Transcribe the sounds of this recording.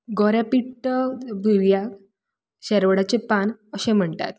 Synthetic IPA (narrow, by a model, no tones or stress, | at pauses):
ɡɔɾjapiʈːəbʱiʋjak | ɕɛɾʋəɽat͡ɕepanəɕem̤əɳt̪a̰t̪̚